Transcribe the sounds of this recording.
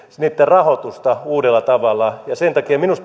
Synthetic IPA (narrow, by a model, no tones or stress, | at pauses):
niːt̪ːerɑhot̪ust̪ɑuːdelːˑɑt̪ɑʋɑlːˑɑjɑsent̪ɑkiɑminust̪